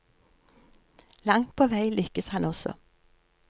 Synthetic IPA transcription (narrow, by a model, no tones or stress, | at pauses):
lɑŋt̪̚pʰoːʋæɪlʏkəshɑnɔsɔ̰